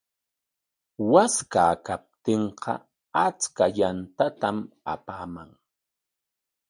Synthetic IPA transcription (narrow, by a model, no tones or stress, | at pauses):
waskaːkap̚t̪eɴqʰɑ̰ | at͡skajant̪at̪am | a̰paːmaŋ